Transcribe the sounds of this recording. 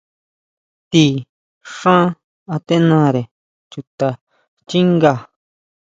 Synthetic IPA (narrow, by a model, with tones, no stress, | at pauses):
t̪i˧ | ʂã˦ | a˧t̪e˦nã˧ɾe˨ | t͡ʃu˧t̪a˨ | t͡ʃi˦ŋɡa˧˨